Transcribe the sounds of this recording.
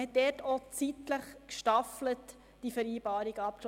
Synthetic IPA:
hɛt̚dɛtot͡sitləχkʃtɑflət | d̥ifɛɾiːbɑːɾiɡəɑp̚k

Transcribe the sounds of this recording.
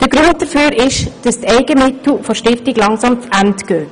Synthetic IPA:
d̥əɡɾʊnt̚d̥əfyːɾʔɪʃd̥ɑstɛɪɡəmɪtl̩foʃtɪftɪɡlɑŋsɑmt͡sʔæntɡ̥øː

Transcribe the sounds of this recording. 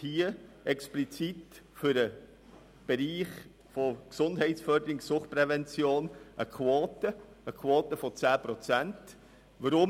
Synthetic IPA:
hiːəʔɛksplit͡sit | fʏɾə | b̥eɾiːχ | fɔksʊnd̥ɦɛɪtsfœɾdəɾɪksʊχt̚pɾɛvɛnt͡sjoːnʔəkʰχwoːtə | əkʰwoːtəfɔt͡sæːpɾɔt͡sænt | ʋəɾʊ

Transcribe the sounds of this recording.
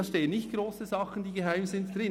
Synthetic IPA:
ɑʃteːənːɪçtɡ̥roːsəzɑχən̩d̥iːɡəɦaɪmzɪntd̥ɾɪ

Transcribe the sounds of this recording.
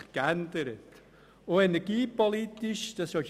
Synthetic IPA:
kɛndəɾət | oenɛɡ̥iːpolitiʃd̥ɑsɔ

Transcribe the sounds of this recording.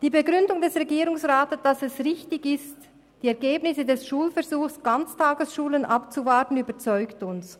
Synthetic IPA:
d̥iːbeɡʁʏndʊŋdɛsʁeɡiːɾʊŋsʁaːtəd̥asɛsʁɪçtɪɡɪst | d̥iːɛɐɡeːbnɪsədɛsʃuːlfɛɐzuːxsɡ̥ant͡stʰaːɡəsʃuːlənʔapt͡suvaɐtən̩yːbɐt͡sɔʏktʊns

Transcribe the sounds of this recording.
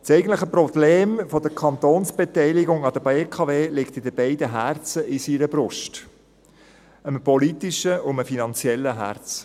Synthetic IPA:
sɛɪɡən̩tləχəprɔbleːmfɔd̪əkʰɑnt̪oːnsb̥et̪ɛɪlɪɡʊŋɑd̥̪əbekʰɑveːlɪkt̪ɪd̪əbɛɪd̪əɦært͡səʔɪsiɾəbɾʊʃt | əmpɔlit̪iʃəʊməfinɑnt͡sjɛlːəɦæ̰ɾt͡s

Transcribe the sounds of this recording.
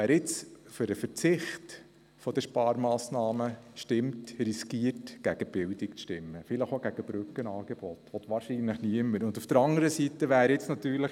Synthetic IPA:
æːɾɪt͡sføɾəfəɾt͡sɪχt | fɔd̥̪əʃpɑːɾmɑːsnɑːməʃtɪmtriskiːərtɡ̥æɡ̥əb̥ɪld̪ikt͡stɪmːəfɪləχoɡ̥æɡ̥əb̥ɾʉkːənɑːɡ̥eb̥ɔtʋɔt̪ʋɑːɾʃinləχniəmːəɾʊnd̪ufd̥̪əɾɑŋəɾəsit̪əʋæːɾɪt͡snɑt̪yːɾləχ

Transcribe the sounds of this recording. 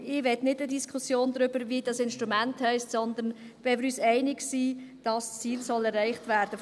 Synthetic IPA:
ɪʋɛtnɪdədiskʰusjoːnd̪ɾʏb̥əɾviːdɑsɪnʃtɾumænthɛɪstsɔnd̪ən | vɛmɪɾyːsɛɪnɪɡsiːd̥ɑst͡siːlsɔlɛɾːɛɪχtvæːɾd̥ə

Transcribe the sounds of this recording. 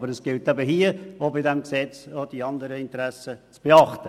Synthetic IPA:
bəɾəsɡ̥ɪltæbəɦiːəobɪdɛmksɛt͡sod̥iɑnd̪əɾəɪntəɾæsət͡sb̥eɑχtə

